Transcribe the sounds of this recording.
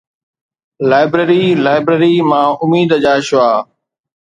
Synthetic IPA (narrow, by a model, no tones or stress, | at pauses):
laːɪbɾeːɾiːlaːɪbɾeːɾiːmãːʊmiːd̪d͡ʑaːʃʊaː